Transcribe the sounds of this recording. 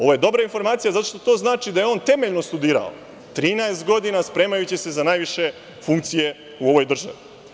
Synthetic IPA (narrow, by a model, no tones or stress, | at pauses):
o̞ʋoje̞d̪o̞bɾainfo̞ɾmaːt̪sijazat̪o̞ʃt̪ot̪o̞ːznaːt͡ʃid̪aje̞o̞nt̪e̞me̞ʎno̞st̪ud̪iːɾa̰o̰ | t̪ɾiːnaest̪̚ɡo̞d̪inaspɾe̞ːmajut͡ɕise̞zanaːjʋiʃe̞ | fuŋk̚t̪sije̞ | uo̞ʋo̞jd̪r̩ʒa̰ʋi